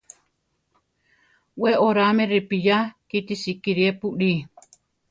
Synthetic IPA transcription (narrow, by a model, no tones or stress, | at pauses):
weʔoɾameɾipijakit̪isikiɾiepuʔɾi